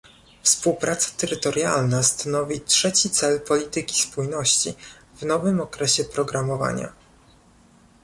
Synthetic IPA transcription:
fspuwpɾʔat̪sḁt̪ɛɾɘt̪ɔɾjalnast̪anɔvʲitʂɛt͡ɕit̪sɛlpɔlʲit̪ɘkʲi̥spujnɔɕt͡ɕḭvnɔvɘmɔkɾɛɕɛpɾɔɡɾamɔva̰ɲa̰

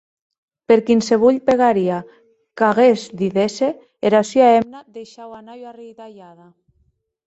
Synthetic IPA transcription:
peɾkinseβ̞uʎpeɣaɾia | kaɣezðiðese | eɾasyaemnaðejʃawanajarijt̪aʎaða

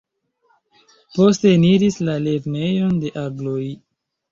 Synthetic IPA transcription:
po̞ste̞niɾislale̞ɾne̞jo̞nde̞ʔaɡlo̞j

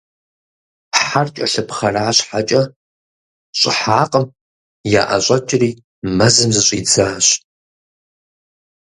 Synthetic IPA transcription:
ħart͡ʃʼɐɬɨpχɐraːɕħat͡ʃʼɐ | ɕʼɪħaːqʼəm | ja̰ːʔɐ̰ɕʷʼɐt͡ʃʼɪriː | mɐzɨmzɨɕʷʼiːd͡zaːɕ

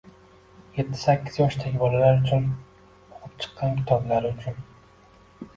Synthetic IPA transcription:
je̞t̪ʰːɪ̥sakʲːɪzjɒʃt̪ʰaɡʲɪbɒlalaɾʊt͡ʃʰʊn | ɒqʰɨp̚t͡ʃʰɨ̥qːɑnkʲʰɪ̥t̪ʰɒblaɾɪʊt͡ʃʰʊn

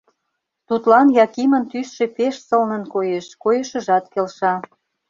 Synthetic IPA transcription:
t̪ut̪lɑnjɑkimə̆nt̪ysʃe̽peʃsɤlnə̆nkojeʃkojəʃə̆ʒɑt̪kelʃɑ

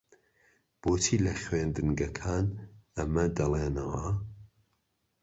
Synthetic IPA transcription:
b̥oːt͡ʃʰiːlɐχwend̪ɨnɡɐkʰaːnɐmɐd̪ɐleːnɐwɐ

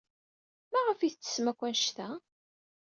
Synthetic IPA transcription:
mæʁəfiθt͡sːə̥smækʷːænʃt̪æ

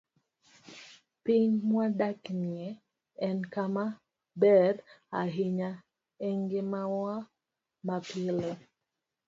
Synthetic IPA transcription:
piɲmwadakniɛ | ɛnkama | bɛɾaɦiɲa | eŋɡemawa | mapile

